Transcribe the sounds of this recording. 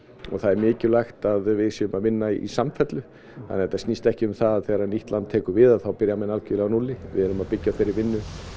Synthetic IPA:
ɔ̰ɣθaðɛɾmɪːcʏlajxt̪aðvɪðsjɛːʏmaðmɪnːaḭsamfɛt̪lʏ | ha̰nːɛɾt̪asnist̪ɛhcɪʏmθaðaðθɛɣaɾaniht̪lant̪ʰːɛːkʏɾvɪðaðθawpɪɾjamɛnalcʏlɛɣanulɪvɪ̰ðɛɾʏmaðpɪcːafɪɾːɪɾvɪnːʏ

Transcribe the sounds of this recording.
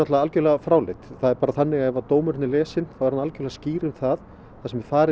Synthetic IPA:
ɔt̪laalcɪlɛːɣafɾaːwlejt̪θaðɛɾpaːɾaθanːɪɣaɛvat̪oːwmʏɾɪnːɪlɛːsɪnθawɛɾanalcɪlɛɣasciːɾɪmθað | θasɛmɪ̥faːɾɪ

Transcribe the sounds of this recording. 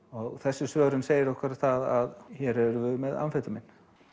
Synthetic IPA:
ɔɣθɛsːɪsvœːɾʏnseːjɪɾɔhkvɪɾaθaðaðçɛɾɛɾvʏðmɛða̰nfɛt̪ʏmɪnː

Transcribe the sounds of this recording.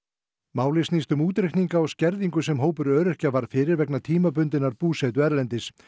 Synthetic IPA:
maːwlɪsniːst̪ʏmuːt̪ɾeht̪niŋkaɔɣscɛɾðiŋkʏsɛmɦoːwpʏɾœːɾʏr̥cavaɾ̥fɪːɾɪɾvɛknat̪ʰiːmapʏnt̪ɪnːaɾpuːsɛt̪̬ʏɛɾlɛnt̪ɪs

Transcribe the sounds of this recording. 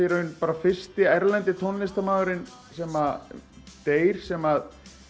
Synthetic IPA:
ɛɾʏnpaːɾafɪ̥st̪ɪɛɾlɛnt̪ɪt̪ʰɔnlːɪst̪amaːɣaɾɪn | sɛːma | t̪eːjɾ̥sɛmað

